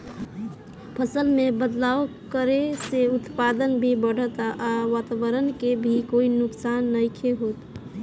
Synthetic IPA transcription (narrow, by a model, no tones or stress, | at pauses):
pʰəsəlmebəd̪laʋ | kəɾeseut̪pad̪ənbʱibəɽ̤ət̪aʔaʋat̪aʋəɾənkebʱikoinʊksanːəjkʰeɦot̪